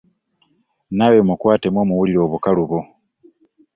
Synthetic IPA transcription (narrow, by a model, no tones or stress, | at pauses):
nawemukwaːtemwoːmuwuliɾo̞ːβukaluβo